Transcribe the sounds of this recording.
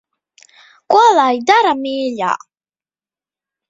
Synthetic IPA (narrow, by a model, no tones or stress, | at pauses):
kʷʼalajd̪aɾamiːʎa̰ː